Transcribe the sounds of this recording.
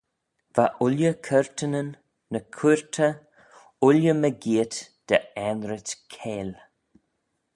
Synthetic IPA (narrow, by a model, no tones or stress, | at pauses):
v̥aʔʊljəkʰəɹt̪ʰənənː | əkʰuɹt̪ʰə | ʊljəməɡiːt̪d̪̥əɛnɾət̪kʰeːl